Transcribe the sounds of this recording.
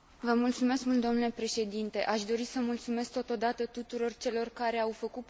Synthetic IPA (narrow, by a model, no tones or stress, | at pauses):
vəmult̪sume̞skmult̪d̪omnule̞pɾe̞ʃe̞d̪int̪e̞̰ʔaʃd̪o̞ɾisəmult̪sume̞sk̚t̪o̞t̪o̞d̪at̪ət̪ut̪uɾo̞rt͡ʃe̞lo̞rkaɾe̞awfəkut̪